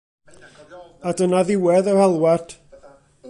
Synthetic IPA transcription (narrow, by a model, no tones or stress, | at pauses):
adənaðɪwɛðɔhɛlˠward̥